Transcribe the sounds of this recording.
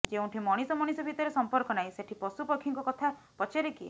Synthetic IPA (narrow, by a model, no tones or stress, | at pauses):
d͡ʒeũɳʈʰimɔɽ̃isɔmɔɽ̃isɔbʱit̪ɔɾesɔmpɔɾkɔnaɦĩseʈʰipɔsupɔkʰːiŋkɔkɔt̪ʰa | pɔt͡ʃeɾekie